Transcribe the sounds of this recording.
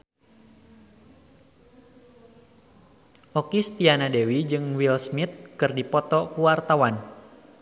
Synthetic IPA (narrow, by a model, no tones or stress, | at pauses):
ʔɔkist̪ianadewid͡ʒɨŋwilsmit̪̚kɨrdipɔt̪ɔkuwart̪awan